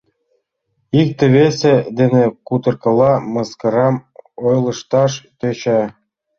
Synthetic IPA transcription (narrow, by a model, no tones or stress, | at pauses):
ik̚t̪ĕβesĕd̪enĕkut̪ɤ̆rkɤ̆lˠɑmɤskɤ̆ɾɑmojlˠɤ̆ʃt̪ɑʃt̪øt͡ɕæ